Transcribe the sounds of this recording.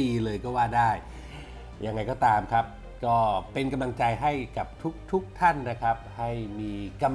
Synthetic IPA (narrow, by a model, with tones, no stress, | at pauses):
iː˧lɤː˧jkɔː˥˩waː˥˩daː˥˩j | ja˧ŋːa˧jkɔː˥˩t̪aː˧mkʰa˦˥p̚ | kɔː˥˩pe˧nka˧mla˧ŋt͡ɕa˧jɦa˥˩jka˨˩p̚t̪ʰu˦˥k̚t̪ʰu˦˥k̚t̪ʰa˥˩nːa˦˥kʰa˦˥p̚ha˥˩jmiː˧ka˧